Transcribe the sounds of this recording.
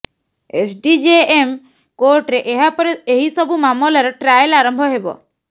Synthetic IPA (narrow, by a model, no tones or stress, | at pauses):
esɖid͡ʒeem | koɾʈɾeʔeɦapɔɾeeɦisɔbʱumamɔlaɾeʈɾajlaɾɔmbʱɔɦebɔ̰